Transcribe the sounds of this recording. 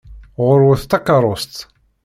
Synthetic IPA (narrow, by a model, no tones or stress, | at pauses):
ʁʊɾwʊθt̪ːɑkɑɾˤʊst̪